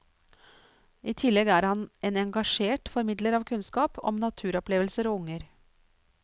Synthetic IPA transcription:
ʔiːt̪ʰɪlɛɡæːɾhɑnʔeːnɛŋɡɑʂeːʈfɔɾmɪd̪ləɾɑːʋkʰʉnskɑːpɔ̰mnɑt̪ʰʉːɾɔpleːʋəlsəɾɔːʊŋəɾ

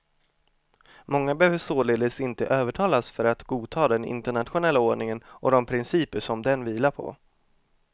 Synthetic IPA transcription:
mɔŋːabəɛhøːvəʂoːleːd̪əsɪnt̪ə̰ʔøːvəʈʰɑːlasfœɾat̪ɡuːt̪ʰɑːd̪ɛnɪ̰nt̪əɳat̪ɧʊnɛlːaoːɳɪŋənʔɔd̪ɔmpʰɾɪnsiːpəʂɔmd̪ɛnviːlaɾpʰɔ̰

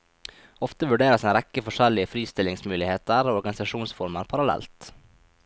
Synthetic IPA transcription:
ɔft̪əʋʉɖeːɾəsɛnɾɛkəfɔʂɛlɪəfɾiːst̪ɪlɪŋsmʉːlɪheːt̪əɾoːɔɾɡɑnɪsɑʃuːnsfɔɾməɾpʰɑɾɑlɛ̰lt̪

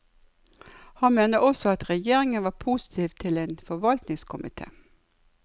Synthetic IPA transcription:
hɑnmeːnəɔsɔɑt̪ʁɛjeːʁɪŋənʋɑːpʰuːsɪ̥t̪ʰiːʋt̪ʰɪleːnfɔʋɑlt̪nɪŋskʰʊmɪ̰t̪ʰḛː

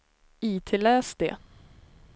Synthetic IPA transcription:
iːt̪ʰeːlɛːsd̪ḛː

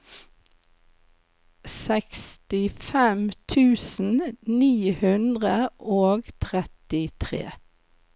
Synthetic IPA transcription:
sɛkst̪ɪfɛmt̪ʰʉːsn̩niːhʉnd̪ʁəʔoːɡt̪ʰʁɛt̪ɪt̪ʰʁḛː

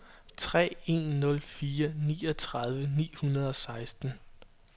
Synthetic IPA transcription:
t͡sʰʁɛ̰ːe̝̰nːɔ̽lfiːɐnḭːɒ̽t͡sʰʁɑ̈ð̞ˠʋənḭːhunɐð̞ˠɒ̽sɑ̈ɪsd̥n̩

